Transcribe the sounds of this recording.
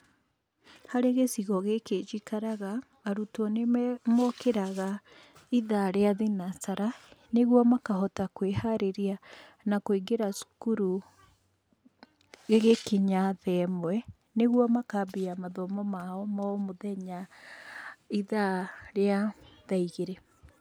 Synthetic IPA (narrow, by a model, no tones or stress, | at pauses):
haɾeɣesiɣɔɣeked͡ʒikaɾaɣaː | ɾutɔnemɔkeɾaɣa | iðaɾeaðinasaɾaneɣwɔmakaɦɔtakwehaɾeɾia | nakoiɡeɾasu̥kuɾu | ɣeɣekeɲaðɛmwɛ | neɣwɔmakabeamaðɔmɔmaɔmamoðɛɲa | iðaɾeaðaiɣeɾe